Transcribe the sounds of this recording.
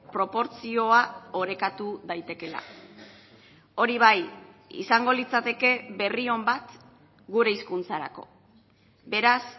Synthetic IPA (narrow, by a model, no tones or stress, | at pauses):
pɾo̞po̞ɾt͡sio̞ao̞ɾe̞kat̪uðajt̪e̞ke̞la̰ | o̞ɾiβajḭsaŋɡo̞lit͡sat̪e̞ke̞βe̞rio̞mbat̪ | ɡuɾe̞iskunt͡saɾa̰ko̞̰ | be̞ɾas